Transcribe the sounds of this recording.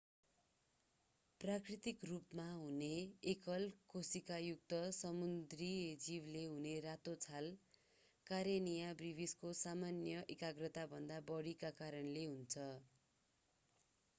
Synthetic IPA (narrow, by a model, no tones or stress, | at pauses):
prakrit̪ikrupmaɦuneːkʌlkosikajuk̚t̪ʌsʌmund̪ried͡ziwleɦuneɾat̪ot͡sʰal | kaɾjenijabribʱiskosamanjʌʔekaɡrʌt̪abʱʌnd̪abʌɽikakaɾʌnleɦunt͡sʰʌ